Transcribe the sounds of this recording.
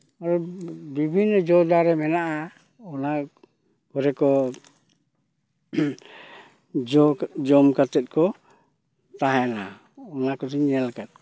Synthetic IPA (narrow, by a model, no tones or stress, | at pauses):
aɾɔdibʱinːɔd͡ʒɔdaɾɛmɛnaʔa | ɔna | ɡɔɾɛkɔ | d͡ʒɔd͡ʒɔmkat̪ɛt̪̚kɔ | t̪aɦɛna | ɔnakɔtiɲɛlkat̪̚